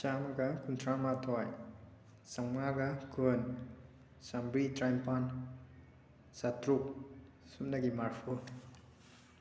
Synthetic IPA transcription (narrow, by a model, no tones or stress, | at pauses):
t͡ʃamɡakuntʰɾamatʰɔj | saŋaɡakɯn | sambɾitɾajmpan | satɾuk̚ | sumnaɡimaɾfu